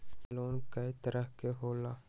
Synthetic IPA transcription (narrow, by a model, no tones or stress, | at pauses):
loːnkɐit̪əɾəɦkeɦoːlaː